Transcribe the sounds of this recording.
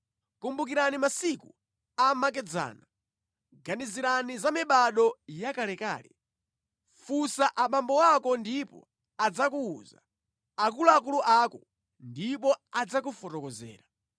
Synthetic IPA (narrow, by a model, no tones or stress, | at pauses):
kumbuk̬iɾanimasiku | amak̬ɛd͡za̰ːna | ɡaniziɾanizamiɓaɗɔjakalɛka̰ːlɛ | fusaʔaɓambɔwakɔndipɔ̰ | ad͡zakuːza | akuluak̬uluʔakɔ | ndipɔad͡zak̬ufɔtɔkɔzɛ̰ːɾa